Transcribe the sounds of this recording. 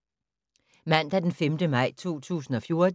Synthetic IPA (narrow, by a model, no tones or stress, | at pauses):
mæn̰d̥æd̥enfemd̥əmɑ̈ɪ̰t͡sʰo̝̰ːt͡sʰṵːsn̩ɒ̽fjo̝ɐ̥